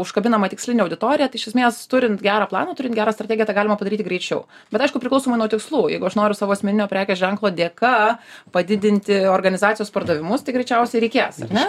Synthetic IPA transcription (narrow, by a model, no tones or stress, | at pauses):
ʊʃkɐbʲɪnɐmɐt̪ʲɪksʲlʲɪnʲɛɐʊd̪ʲɪt̪oːɾʲɪjɛt̪ɐɪɪʃʲɛsʲmʲeːst̪ʊɾʲɪnt̪ɡʲæːɾɑːplˠɑ̰ːnɐt̪ʊɾʲɪnɡʲæːɾɑːst̪ɾɐtʲɛːɡʲjɛt̪ɐɪɡɑːlʲɪmɐpɐd̪ɐɾʲiːt̪ʲɪɡɾʲɛɪt͡ʃʲɛʊ | b̥ʲɛt̪ɐɪʃkʊpʲɾʲɪklˠɐʊsoːmɐɪnuɔt̪ʲɪkslˠuːjɛ̰ɪɡʊɐʃnoːɾʲʊsɑːʋoːɐsʲmʲɛnʲɪnʲoːpʲɾʲæːkʲoːsʒʲɛŋklˠoːd̪ʲeːkɑpɐd̪ʲɪd̪ʲɪnʲt̪ʲɪoːrɡɐnʲɪzɑːt̪ʲɪjoːspɐrd̪ɐʋʲɪmʊst̪ɐɪɡɾʲɛɪt͡ʃʲɛʊsʲɛɪɾʲɛɪkʲeːsɐ̰rnʲɛ